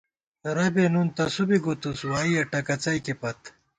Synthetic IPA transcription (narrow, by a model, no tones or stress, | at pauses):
ɾɐbenunt̪ɐsubiɡut̪uswaːijɐʈɐkɐt͡sɐjkepɐt̪